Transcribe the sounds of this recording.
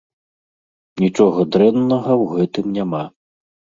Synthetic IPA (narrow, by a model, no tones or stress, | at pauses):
nʲit͡ʂɔɣɐd̪ɾɛnːɐɣɐwɣɛt̪ɨmnʲama